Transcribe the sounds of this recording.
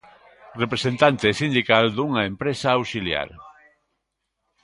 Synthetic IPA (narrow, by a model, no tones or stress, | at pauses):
repɾesent̪ant̪esind̪ikald̪uŋɐempɾesaawsilja̰ɾ